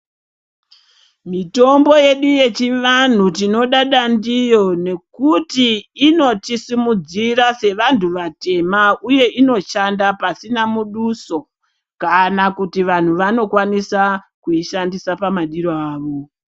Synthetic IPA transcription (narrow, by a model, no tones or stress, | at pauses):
mito̞mbo̞je̞ɗuje̞t͡ʃiʋan̤utino̞ɗaɗandijo̞ne̞kutiːno̞tisimud͡ziɾase̞ʋantʰuʋate̞mauje̞ʔino̞ʃandapasinamuɗuso̞ | kanakutiʋan̤uʋano̞kwanisa | kuiʃandisapamaɗiɾoaːʋo̞